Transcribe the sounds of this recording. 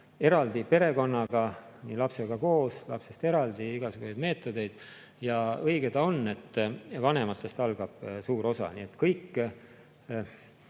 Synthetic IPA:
e̞ɾɑld̪̥ipe̞ɾe̞ko̞nːɑɡ̥ɑ | nilɑpse̞ɡ̥ɑko̞ːslɑpse̞st̪e̞ɾɑld̪̥iiɡ̥ɑsuɡ̥usejd̪me̞ːt̪ˑːo̞d̪e̞jd̪̥ | jɑɤjɡ̥e̞t̪ɑo̞nːe̞t̪ːˑvɑne̞mɑt̪ːˑe̞st̪ɑlɡ̥ɑb̥suːɾo̞sɑ̰nie̞t̪ːkɤjkː

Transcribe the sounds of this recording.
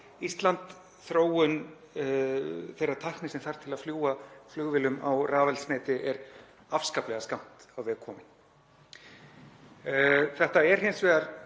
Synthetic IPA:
ist̪lant̪ | θɾoːwʏn | θejrːḁt̪ʰahknɪsɛmθaɾ̥t̪ʰɪlaðfljuːwaflʏɣvɪlʏma̰wraːvɛlsneːt̪ɪʔɛɾ | afskaplɛɣaskam̥t̪awvɛkʰɔːmɪn | θɛht̪aɛɾ̥heɪjnsvɛːɣaɾ

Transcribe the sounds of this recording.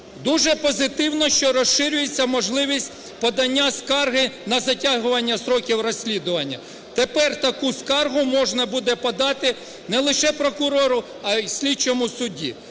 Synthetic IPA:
d̪uʒɛpɔzɪt̪ɪwnɔʃt͡ʃɔɾɔsʃɪɾʲʊjet͡sʲːɐmɔʒlˠɪʋʲisʲt̚ʲ | pɔd̪ɐnʲːaskɑrɦɪnɐzɐtʲaɦʊʋɐnʲːɐsɾɔkʲiwrɔsʲlʲid̪ʊʋɐnʲːɐ̰ | t̪epɛrt̪ɐkuskɑrɦʊmɔʒnɐbud̪ɛpɐd̪ɑt̪ɪ | nɛlˠɪʃɛpɾɔkʊɾɔɾʊ | ɐsʲlʲit͡ʃɔmʊsʊdʲḭ

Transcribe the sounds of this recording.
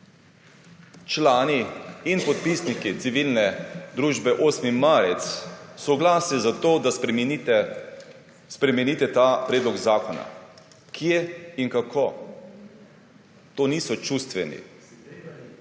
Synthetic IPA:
t͡ʃlaːniːnpɔt̪̚pisnikit̪siʋilnɛd̪ɾuʒbɛʔoːsmimaːɾɛt̪ssɔɡlaːsnizat̪oːd̪a | spɾɛmɛniːt̪ɛt̪apɾeːd̪lɔɡzaːkɔna̰ | kʰjeiŋkakʰo | t̪oːniːsɔt͡ʃust̪ʋɛnḭ

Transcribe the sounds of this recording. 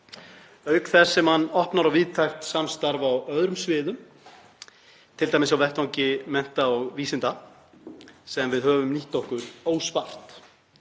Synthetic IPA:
œːɥkθɛssːɛmhanːɔhpnaɾawvɪðt̪ʰajxt̪samst̪aɾvawœðɾʏmsvɪːðʏm | t̪ʰɪlt̪ajmɪs̬awvɛht̪awɲcɪmɛn̥t̪aɔɣviːsɪnt̪a | sɛðanvɪðhœːvʏmniht̪ɔhkʏɾoːwspar̥t̪

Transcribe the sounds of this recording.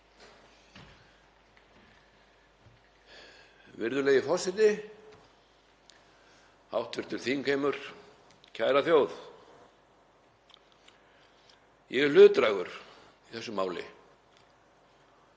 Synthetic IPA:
vɪɾðʏlɛːjɣɪfɔsɪt̪nɪ | hawht̪vɪɾ̥t̪ʏl̥θiŋkʰejmʏɾ̥ | cʰaːjɾaθjoːwð | jɛɛlʏːðt̪ɾajɣʏɾ̥ | iθɛsːʏmaːwlɪ̰

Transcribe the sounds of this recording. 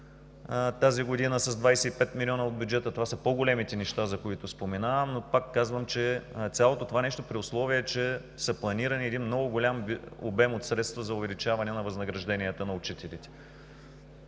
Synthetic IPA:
t̪aziɡod̪inəsɐzd̪vajsɛipɛt̪milʲɔnəod̪̚bʲjʊd͡ʒɛt̪ət̪ovasəpoɡolɛmit̪ɛnɛʃt̪azɐkoit̪ʊspomɛnavəmnopakːazvəmt͡ʃɛt̪sʲalˠot̪ot̪ovanɛʃt̪opɾiʊslˠɔviət͡ʃɛ | sɐplˠɐniɾəniɛd̪inmnɔɡʊɡolʲambo̰bɛmot̪sɾɛt̪st̪vəzɐʊvɛlit͡ʃavɐnɛnɐvɐznɐɡɾɐʒd̪ɛniət̪ənɐʊt͡ʃit̪ɛlit̪ɛ̥

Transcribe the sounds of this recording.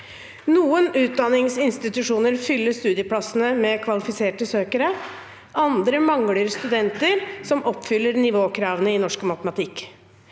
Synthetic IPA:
nuːənʉːt̪̚d̪ɑnːɪŋsɪnst̪ɪt̪ʉʂuːnəɾfʏlːəʂt̪ʉːd̪ɪəpʰlɑsənəmɛkʰʋɑlɪfɪseːʈəsøːkəɾə | ʔɑnd̪ɾəmɑŋɽəɾst̪ʉd̪ɛnt̪əɾsɔmʔɔpːfʏlːəɾnɪʋoːkʰɾɑːʋənəɪnɔʂkmɑt̪əmɑt̪ʰɪkː

